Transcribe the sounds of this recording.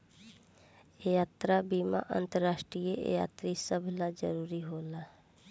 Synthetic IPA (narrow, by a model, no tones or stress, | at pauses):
jaːt̪ɾabiːma̰ʔə̰̃nt̪əɾːaːʃʈɾijəʔja̰ːt̪ɾisəbʱlad͡ʒəɾuːɾiɦoːlaː